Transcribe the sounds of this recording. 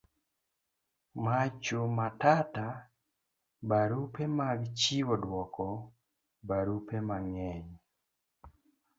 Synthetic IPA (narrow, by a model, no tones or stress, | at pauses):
mat͡ʃomatata | baɾupɛmaɡt͡ʃiwɔdwɔkɔ | baɾupemaŋɛɲ